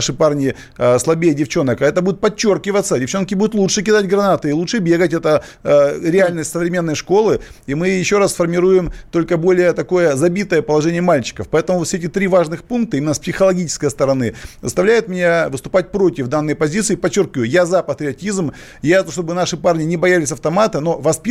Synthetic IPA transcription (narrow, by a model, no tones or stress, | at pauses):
ʂɨparnʲɪ | slˠɐbʲejədʲɪft͡ɕo̞nəkɐɛt̪əbud̪ʊt̪̚pɐt͡ɕːo̞rkʲɪvət̪sːədʲɪft͡ɕːo̞nkʲɪbud̪ʊt̪lˠutʂɨk̬ʲɪd̪atʲɡɾɐnat̪ɨɪlˠut͡ʂʂɨbʲe̞ɡətʲɛt̪ə | ɾʲɪalʲnəsʲtʲsəvɾʲɪmʲe̞nːəjʂko̞lˠɨimɨjɪɕːo̞ɾasfərmʲɪɾujɪmt̪o̞lʲkəbo̞lʲɪjət̪ɐko̞jəzɐbʲit̪əjəpəlˠɐʐɛnʲɪjəmalʲt͡ɕɪ̥kəfpɐɛt̪əmʊvfsʲɛtʲɪt̪ɾʲivaʐnɨxpunk̚t̪ɨimʲɪnəspsʲɪxəlˠɐɡʲit͡ɕɪ̥skəjəst̪əɾɐnɨzə̰st̪ɐvlʲæjɪt̪mʲɪnʲavɨst̪ʊ̥pat̚ʲpɾo̞tʲɪvd̪anːəjpɐzʲit̪sɨːpɐt͡ɕːo̞rkʲɪvəjʊjazɐpət̪ɾʲɪɐtʲizm | jat̪ʂt̪obɨnaʂɨparnʲɪnʲɪbɐjalʲɪsʲɐft̪ɐmat̪ɨno̞vɐspʲ